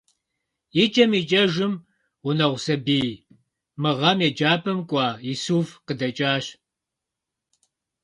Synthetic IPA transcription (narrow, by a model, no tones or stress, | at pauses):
jit͡ʃʼɐmiːt͡ʃʼɐʒɨm | ʁʷʊnɐʁʷsɐbiː | mɨʁɐmeːd͡ʒaːpʰɐmkʷʼɑːjisuːfqədɐt͡ʃʼaːɕ